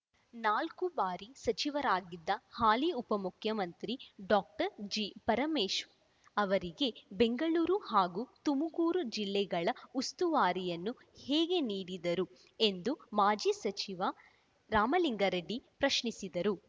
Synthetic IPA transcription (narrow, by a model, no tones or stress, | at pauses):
naːlkubaːɾisɐt͡ʃiʋɐɾaːɡid̪ːɐhaːliupɐmukʰjɐmɐnt̪ɾiɖaːk̚ʈɐɾd͡ʒipɐɾɐmeːʃ | ɐʋɐɾiɡe̞be̞ŋɡɐɭuːɾuhaːɡuːt̪umuɡuːɾud͡ʒilːɛɡɐɭɐust̪uʋaːɾijɐnːu | hɛːɡe̞niːɽid̪ɐɾu | e̞nd̪umaːd͡ʒiːsɐt͡ʃiʋɐ | ɾaːmɐliŋɡɐɾɐɖipɾɐʃɳisid̪ɐɾu